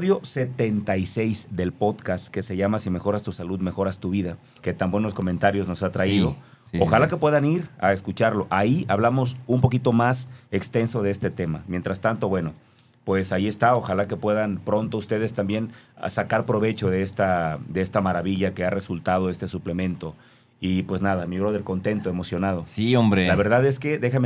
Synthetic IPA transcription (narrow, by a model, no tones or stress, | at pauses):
ðjo̞se̞t̪e̞nt̪ajse̞jzðe̞lpo̞ðkast̪ke̞se̞ʝamasime̞xo̞ɾast̪usaluðme̞xo̞ɾast̪uβ̞iða | ke̞t̪ambwe̞no̞sko̞mẽ̞nt̪aɾjo̞zno̞sat̪ɾaiðo̞ | oxalake̞pwe̞ðaniɾa̰eskut͡ʃaɾlo̞ʔaiaβlamo̞sumpo̞kit̪o̞mase̞kst̪e̞nso̞ðe̞est̪e̞t̪e̞ma̰mje̞nt̪ɾast̪ant̪o̞βwe̞no̞ | pwe̞saie̞st̪ao̞xalake̞pwe̞ðanpɾo̞nt̪oust̪e̞ð̞e̞st̪ambje̞n̰sakaɾpɾo̞β̞e̞t͡ʃo̞ðeest̪ad̪eest̪amaɾaβiʝake̞are̞sult̪að̞o̞e̞st̪e̞suple̞mẽ̞nt̪o̞ | ipwe̞znaðamiɾoðe̞lko̞nt̪e̞nt̪o̞emo̞sjo̞nað̞o̞siombɾelaβe̞ɾðaðe̞ske̞ðe̞xame